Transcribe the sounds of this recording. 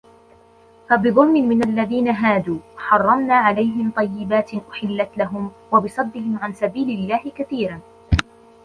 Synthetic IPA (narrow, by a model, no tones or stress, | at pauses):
fabɨðˤʊlmɪmɪnalːaðiːnaɦaːd̪uːħɑrˤːɑmnaːʕalajɦɪmt̪ˤɑjːɪbaːt̪ɪʔʊħɪlːat̪laɦʊm | wabɨsˤɑd̪ːɪhɪmʕansabiːlɪlːaːhɪkaθiːɾan